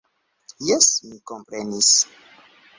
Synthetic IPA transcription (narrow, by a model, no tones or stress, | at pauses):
jɛsmikompɾenis